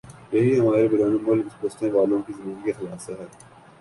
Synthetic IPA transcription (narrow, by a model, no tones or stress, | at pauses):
jɐɦiɦɐmaːɾebɪɾaːnemʊlkspʊst̪ẽʋaːlõkizɐniːɾkexɐlaːsaɦɛː